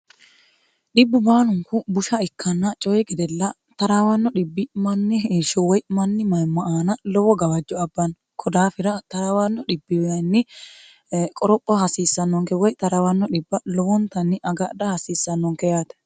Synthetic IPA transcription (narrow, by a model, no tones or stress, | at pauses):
ɗɪbːʊbaːnʊŋkʊbʊʃɐɪkːɐnːɐt͡ʃʼɔjɛɡɛd̪ɛlːɐ | t̪ɐɾaːwɐnːɔɗɪbːɪmɐnːɪheːʃɔwɔjmɐnːɪmɐjmɐʔaːnɐlɔwɔɡɐwɐd͡ʒːɔɐbːɐn | kʰɔd̪aːfɪɾɐt̪ɐɾawanːɔɗɪbːɪwjɐnːɪ | kʼɔɾɔpʼːɐhɐsiːsːɐnːɔŋkɛwɔjt̪ɐɾawɐnːɔᶑɪbːɐlɔwɔnt̪ɐnːɪʔɐɡɐɗɐhɐsiːsːɐnːɔŋkɛjaːt̪ɛ̥